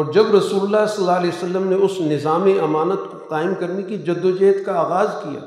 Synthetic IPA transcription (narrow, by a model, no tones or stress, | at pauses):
ɔːɾd͡ʒɐbɾɐsuːlʊlːasɐlːaːɐlɛːosɐlːəmneʊsnɪzaːmeʔɐmaːnət̪koqaːɪmkɐɾnekid͡ʒɐd̪ːod͡ʒɛːt̪kaaːɣaːzkija̰ː